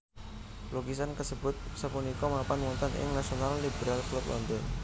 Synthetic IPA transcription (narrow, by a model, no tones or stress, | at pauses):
loɡisankəsəbʊt̪̚səpunikɔmapanmɔnt̪anʔɪ̰ŋnasionalːibəɾalklʊp̚lʔɔ̰nd̪ɔn